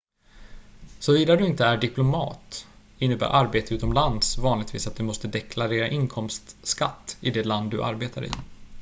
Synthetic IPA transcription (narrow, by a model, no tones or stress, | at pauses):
sɔviːd̪ad̪ɵɪnt̪əæɖɪplʊmɑ̰ːt̪ | ɪnːəbæ̰ːɾʔaɾbeːt̪əʉːt̪ɔmland̪svɑːnlɪɡ̚t̪vḭːsat̪̚d̪ɵmɔst̪əd̪ɛkʰlaɾeːɾaʔɪnkʰɔmst̪skat̪ːɪd̪ɛland̪ːɵʔa̰ɾbeːt̪ʰaɾɪ̰